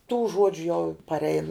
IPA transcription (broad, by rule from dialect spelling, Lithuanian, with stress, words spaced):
tuː ˈʒuɔd͡ʒʲʊ jɛʊ pɐrʲˈɛɪn